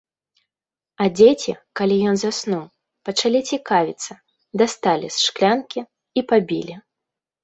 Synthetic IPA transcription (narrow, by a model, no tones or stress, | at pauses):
ɐd͡zʲet͡sʲḭkalʲijɔnzasnuw | pɐt͡ʂalʲit͡sʲikavʲit̪sːɐ | d̪ast̪alʲḭsʂklʲankʲi | ipabʲḭlʲi